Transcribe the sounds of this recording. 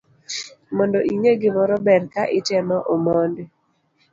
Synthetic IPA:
mɔndoʔiŋeɡɪmɔɾɔbɛɾkaʔɪtɛmɔʔomɔnd

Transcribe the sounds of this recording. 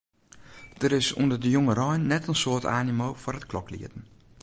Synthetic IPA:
d̥əɾɪsundərdəjoŋərɔjnːɛtənsoətaːnimowfʊrətklɔklḭətən̩

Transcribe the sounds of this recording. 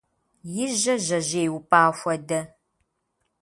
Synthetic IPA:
jɪʒɐʑɐʑeːjwʊpʼaːxʷɐdɐ

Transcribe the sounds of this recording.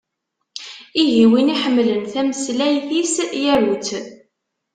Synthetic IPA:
iɣiwiniħəmːlənθæməslæjθisjæɾut͡s

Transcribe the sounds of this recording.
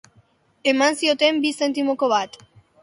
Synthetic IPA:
e̞mansio̞t̪e̞mbise̞nt̪imo̞ko̞βat̪

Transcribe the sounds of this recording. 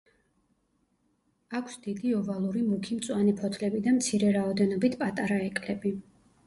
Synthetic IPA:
akʷʰsd̪id̪iɔvalˠuɾimukʰimt̪sʼwanɛpʰɔt̪ʰlɛbid̪amt̪sʰiɾɛɾaɔd̪ɛnɔbit̪ʰpʼat̪ʼaɾaɛkʼlɛbi

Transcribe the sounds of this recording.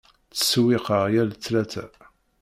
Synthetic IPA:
t͡sːə̥swɪqəʁjælt͡sːlæt͡sæ

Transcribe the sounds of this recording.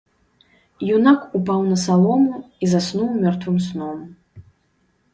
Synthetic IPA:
junakupawnɐsalˠɔmu | izasnuwmʲɔrt̪vɨmsnɔm

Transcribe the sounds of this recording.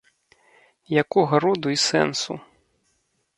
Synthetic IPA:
jakuɣɐɾud̪uisɛ̰nsṵ

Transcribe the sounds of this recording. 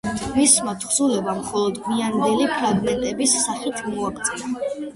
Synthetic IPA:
mismat̪ʰχzulɛbamχɔlˠɔd̪miand̪ɛlipʰɾaɡmɛnt̪ʼɛbisːaχit̪ʰmɔaɡt̪sʼɛɾa

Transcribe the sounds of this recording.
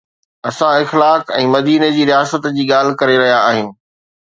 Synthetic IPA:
ɐsãɪxlaːkɛ̃ːmɐd̪iːned͡ʑiːɾijaːsət̪d͡ʑiːɠaːl̤kɐɾeɾɐɦijaːɦɪjũː

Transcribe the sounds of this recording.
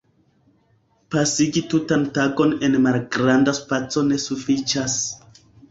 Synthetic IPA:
pasiɡitutantaɡo̞ne̞nmalɡɾandaspat͡so̞ne̞sufit͡ʃas

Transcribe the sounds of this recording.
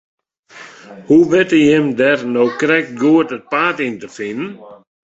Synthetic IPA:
huʋɪtəjɪmdɛrnowkrɛk̚t̚ɡuətət̚paːtintəfɪnən

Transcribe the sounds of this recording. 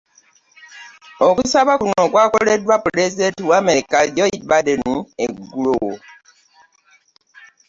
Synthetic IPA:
okusaβakunokwaːkoledwapɾezidentiwamekaɟɔibadenueɡulowo

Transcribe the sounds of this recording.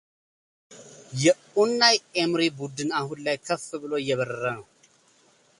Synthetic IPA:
jɛ | unːajemɾibud̪ɨnahunlajkʰəfːɨbɨlo̞jɛβəɾəɾənəw

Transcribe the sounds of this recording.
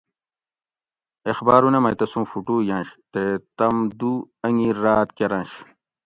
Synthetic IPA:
exbaːɾunemɐjt̪ɐsũːfuʈuːjɐ̃nɕt̪et̪ɐmd̪uɐŋiɾaːt̪keɾɐ̃nɕ

